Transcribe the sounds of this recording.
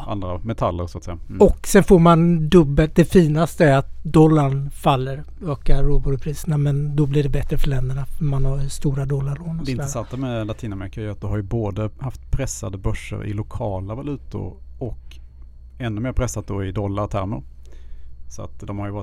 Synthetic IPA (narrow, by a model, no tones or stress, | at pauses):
a̰nd̪ɾamɛt̪ʰalːəɾsɔat̪sɛjːaɔkːsɛnfoːɾmand̪ɵbːəlt̪̚d̪ɛfiːnast̪əæɾat̪̚d̪ɔlːanfalːəɾ | øːkaɾuboːd̪pʰɾiːsənamɛnd̪ɔblɪɖɛbɛt̪ɾəfœɭɛnd̪əɳamanhaɾst̪uːɾad̪ɔlːaɾɭoːndɛɪnəsant̪amɛlat̪ʰiːnamɛɾɪkajat̪̚d̪ɔhaɾjɵboːd̪əhaft̪pʰɾɛsːad̪əbœʂːə̰ɾɪ̰lʊkʰɑːlavalʉ̟ːt̪ʊ̰ɾɔk | ɛnːɵmeːɾpʰɾɛsːat̪̚d̪oɪd̪ɔlːaɾt̪ʰæ̰ɾmə̰ɾ | sɔa̰t̪d̪ɔmhaɾjʏvɑːɾ